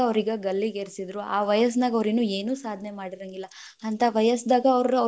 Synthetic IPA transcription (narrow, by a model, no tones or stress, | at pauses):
ɐʋɾiɡɐɡɐlːiɡeɾsid̪ɾuaːʋɐjɐs̬d̪aːɡɐʋɾinːue̞ːnuːsaːd̪ʱnemaːɽiɾɐŋɡilːɐ | ɐnt̪ʰɐʋɐjɐsd̪aːɡɐːʋɾɾuɐ